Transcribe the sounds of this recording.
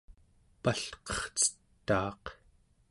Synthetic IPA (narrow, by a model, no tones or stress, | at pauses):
paɬqʌ̥χt͡sə̥t̪ːɑːq